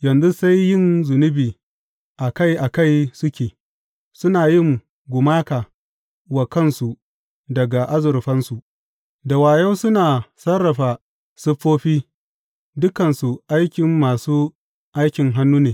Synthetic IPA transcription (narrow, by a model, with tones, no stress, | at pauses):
jɐ˨nzu˦sa˦jːɪ˦nzʊ˨nʊ˦biː˨ | ʔa˨ka˦jʔa˨ka˦˨jsʊ˦kʲeː˨ | sʊ˦naː˨jɪ˦ŋ | ɡʷʊ˨maː˦ka˨ | wa˨kɐ˦˨nsu˨ | dɐ˨ɡa˨ʔa˦zʊ˨ɾɸɐ˦nsu˨ʔ | da˨waː˨ja˦wsʊ˦naː˨sɐ˦rːɐ˨ɸa˨ | sɪ˦ɸːoː˦ɸiː˦ | dʊ˦kɐ˨nsu˨ʔa˦jkʲɪ˨mːaː˨suː˦ | ʔa˦jkʲɪ˨ŋɦa˦nːuː˦neː˨